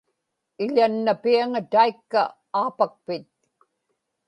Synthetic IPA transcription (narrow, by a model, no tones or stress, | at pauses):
ɪʎanːapiaŋat̪aikːa̰ | aːpak̚pɪt̪̚